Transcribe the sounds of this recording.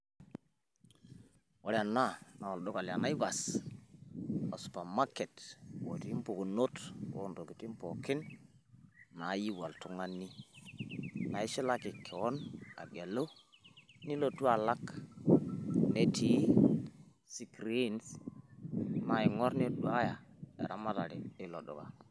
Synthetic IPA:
wo˨ɾa˨na˦na˨wa˨lɗo˦ka˨lja˨na˦i˦ba˨s | a˨su̥˨pa˨ma˦ke˨two˨ti˦mpu˨ku˨no˦to̰˦ndo˨ki˨ti˦mpo˨kɪ˦n | a˨˦ji˦wa˨ltu˨ŋa˦nːi˦ | na˨i˦ʃi˦la˦ki˨kʰːe˨wo˦na̰˨ɡe˨lo˦ | ni˦lo˨tu˦a˨la˦k | ne˦tʰi˨˦ | si˦kɾi˦ns | na˨˦i˨ŋo˦ɾne˦du˨a˦ja˨ḛ˨ɾa˦ma˦ta˨li˨i˦lo˨ɗo̰˨ka̰˨

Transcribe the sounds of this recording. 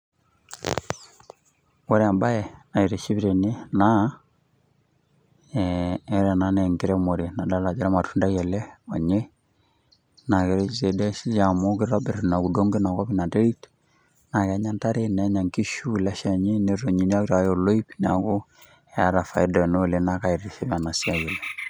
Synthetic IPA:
wɔ˦ɾɛa˨mba˦ɛ˨na˨i˨ɾɛ˨ʃi˦βi˦ɾe˨ne˦na˦ | ɾa˨na˦nɛ˨ŋɡi˦ɾɛ˦mo˨ɾe˨na˨da˦la˨d͡ʒi˦ɾa˦ma˨tʰu˦nda˦jɛ˨lɛ˦ɔ˨ɲe˦ | na˨ke˨ɾɛ˦ise˨dɛ˦ʃi˦ja˨mo˦ki˦ɾa˦bɛ˨ɾena˨ku˨do˦ŋɡe˦na˨ka˦βi˦na˨te˦ɾi˦t | na˨kɛ˨˦ɲa˦nta˦ɾe˦nɛ˨˦ɲa˨ŋki˦ʃu˦la˦ʃa˨ɲe˦ne˦ɾo˨ɲi˨ɲa˦ki˦ɾa˨˦jo˨lo˦i˦pina̰˨ko˦ | ɛ˨a˦ɾa˨fa˨idɔ˨no˦˨le˨na˨ka˨i˨ɾe˨ʃe˦βa˨na˨si˦a˦je˨lɛ˨

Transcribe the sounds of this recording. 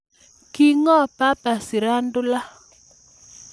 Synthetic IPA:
ki˦ŋɔ˦pa˦pa˨si˨ɾa˦ndʊ˦la˦

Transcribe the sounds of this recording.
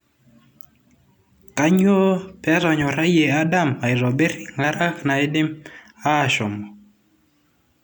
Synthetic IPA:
ka˦ɲo˦pɛ˦ɾɔ˨ɲɔ˨ɾa˦je˨a˦da˦ma˨ɪ˨ɾɔ˨be˦ɾɪ˨ŋa˦ɾa˦kna˨ɪ˦dɪ˦m | aː˦˨ʃɔ˨mɔ˨

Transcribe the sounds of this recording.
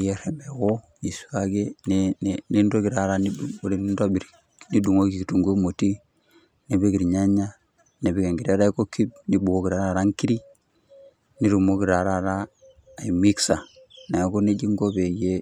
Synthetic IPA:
je˦ɾe˨me˨wo˦ | ni˨su̥˦ka˦ɡe˦nnni˦ndo˦ɡi˨ɾa˨ɾa˦ni˦˨ɾi˨˦ndo˦bi˨ɾ | ni˦du˨ŋo˦ki˨ki˨tu˨ŋɡo˦mo˨ti˦ | ne˨be˦ɡi˨ɾɲa˦ɲːa˦ | ne˨bi˦ɡe˨ŋɡi˨ɾa˦ɾa˦i˦ko˦ki˦b̚ni˦bu˨ɡo˦ki˨ɾa˦ɾa˦˨ɾa˦ŋki˦ɾi˦ | ni˦ɾu˨mo˦ki˨ɾa˨ɾa˦˨ɾaː˦˨ | i˨mi˦ksa˨ | na˨ɡu˦ne˦d͡ʒi˦ŋɡo˦be˨je˦

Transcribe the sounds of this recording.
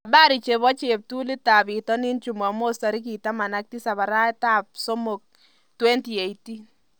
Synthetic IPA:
a˨ba˦ɾi˨t͡ʃe˨βɔ˦t͡ʃe˨p̚tu˦li˦ta˨bi˨tɔ˦ni˦nt͡ʃu˨ma˨mo˦sta˨ɾi˦k̬i˨ta˦ma˨na˦k̚ti˦sa˨βa˨ɾa˦ta˦p̚so˦mo˨k̚ | twe˦nti˨e˨jti˦n

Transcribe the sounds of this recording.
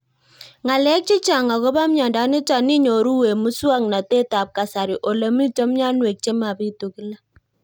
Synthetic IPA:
ŋa˨lɛ˦k̚t͡ʃɪ˦t͡ʃa˨ŋa˨ko˦ba˦mɲa˨nda˨˦nɪ˦ta˨ni˦ɲo˨ɾu˦we˨mu˦swa˦ŋna˨te˦ta˨p̚ka˨sa˨ɾi˨ʔo˨lə˨mi˦to˦mɲa˦nwe˨k̚t͡ʃe˦ma˨bi˦tu˨ki˦la˦

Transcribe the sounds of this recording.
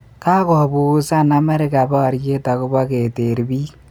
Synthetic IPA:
ka˦kɔ˨bu˦sa˦˨na˨me˦ɾɪ˦ka˨bɔː˦˨ɾje˦ta˨kʊ˦bɔ˦ke˨te˨ɾbiː˦

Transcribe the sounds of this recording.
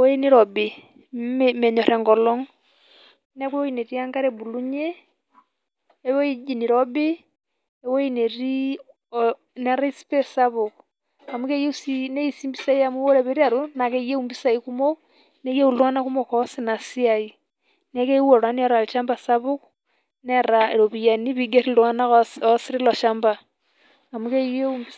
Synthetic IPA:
wɔ˦ɛ˦ni˦ɾɔ˨be˨ | mɛ˨ɲɔ˨ɾɛ˨ŋɡɔ˨lɔ˦ŋ | nɛ˦kwɛ˦wɔ˦i˦nɛ˨ɾi˦a˦ŋɡa˦ɾɛ˨bu˨lu˦ɲɛ˦ | ɛwɔ˦i˦d͡ʒi˨ni˨ɾɔ˦be˦ | ɛ˨wɔ˦inɛ˨ɾi˦ | nɛɾa˦ispɛ˦sa˦βo˨k | a˨mu˦ke˦je˦usine˦isi˦mbi˦sa˦i˦a˦mu˦o˦ɾeβe˦ɾi˦a˨ɾo˦na˨keje˦umbisa˨iku˦mo˦ | ne˦je˦u˦˨lwa˦na˦ku˦mo˦kɔsina˨si˦ai | ne˦ke˦wɔ˨ɾwa˦ni˦ɔ˦ɾa˨li˨ʃa˦mba˨sa˦βu˦k | nɛ˦ɾae˨ɾo˨βi˨ja˨ni˦βiɡe˦ɾi˦lwa˦na˦ɔsiɾi˦lɔ˨ʃamba˨ | a˨mu˦ke˦je˦umbi

